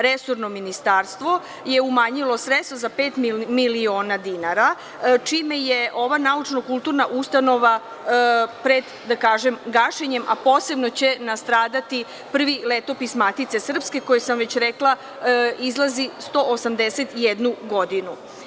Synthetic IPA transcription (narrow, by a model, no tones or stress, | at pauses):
ɾeso̞ɾnominist̪aːɾst̪ʋo̞ | je̞umaːɲilo̞sɾetst̪ozape̞ːt̪mmilio̞ːnad̪inaɾa | t͡ʃimejeʔo̞ʋanaut͡ʃnokulˠt̪uɾnaʔust̪ano̞ʋa | pɾe̞d̪ | d̪akaːʒemɡaʃeɲemʔapo̞ːse̞bnot͡ɕe̞nast̪ɾaːd̪at̪i | pr̩ʋilet̪o̞pismat̪it̪se̞sr̩pske̞ko̞jesamʋet͡ɕɾeklˠa | izlˠazist̪o̞ʔosamd̪eset̪jed̪nuɡo̞d̪inu